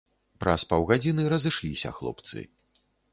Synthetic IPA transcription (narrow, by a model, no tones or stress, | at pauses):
pɾʔɐspawɣad͡zʲinɨɾɐzɨʂlʲisʲɐ̰xlˠɔ̰pt̪sɨ̰